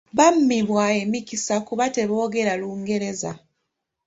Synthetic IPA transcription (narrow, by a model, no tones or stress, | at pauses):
βamːiβwaemikisakuβate̞βo̞ːɡe̞ɾaluːŋɡe̞ɾe̞za̰